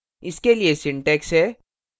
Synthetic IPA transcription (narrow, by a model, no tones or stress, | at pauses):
ɪskeliesɪ̃ɳʈɛːksɦɛː